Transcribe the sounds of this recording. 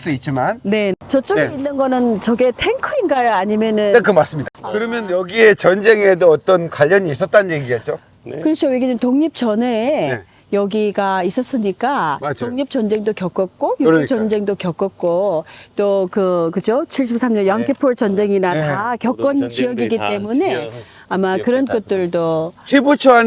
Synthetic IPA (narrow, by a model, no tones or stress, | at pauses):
s͈ɯit̚t͡ɕimanne̞t͡ɕʌt͡ɕ͈ʌɡeinːɯnɡʌnɯnt͡ɕʌɡe̞tʰeŋkʰɯinɡajaɲimjʌnɯnkɯmas͈ɯmɲid̥akkɯɾʌmjʌnjʌɡie̞t͡ɕʌnd͡ʑe̞ŋe̞doʌt͈ʌnkwaʎːʌɲiːs̬͈ʌt̚t͈annjeŋɡiet̚t͡ɕ͈o | kɯɾʌt͡ɕʰoweɡed͡ʑimtoŋɲip̚t͡ɕʌne̞ | jʌɡiɡais͈ʌs͈ɯɲik͈ad͡ʑoŋɲip̚t͡ɕʌnd͡ʑe̞ŋdokjʌk͈ʌk̚k͈ojot͡ɕʌnd͡ʑe̞ŋdokjʌk͈ʌk̚k͈ot͈okɯkɯd͡ʑot͡ɕʰiɭɕ̬͈ip̚s͈ʰamɲʌnjʌɦaŋkʰepʰoɭt͡ɕʌnd͡ʑe̞ŋinatakjʌk͈ʌnt͡ɕijʌɡiɡit͈e̞mune̞ | amakɯɾʌnkʌt̚t͈ɯɭdoebut͡ɕʰoan